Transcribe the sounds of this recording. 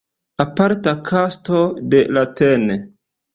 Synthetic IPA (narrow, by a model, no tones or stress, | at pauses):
apaɾtakʰastode̞latene